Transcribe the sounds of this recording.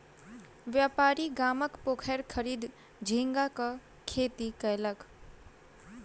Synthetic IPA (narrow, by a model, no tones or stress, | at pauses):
ʋjaːpaːɾiɡaːməkpoːkʰɛɾkʰəɾiːd̪ | d͡ʒʱĩŋɡakə | kʰeːt̪ikəjlək